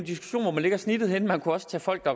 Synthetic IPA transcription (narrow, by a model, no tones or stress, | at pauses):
nd̥isɡ̥u̥ɕo̝̰ːnʋɒmænle̝ɡ̥ɐsnid̥ð̞̩ˠhen̰mænkʰuɒ̽sə̥t͡sʰɛ̰ːfɒ̽l̰ɡ̥̚d̥ɑ̈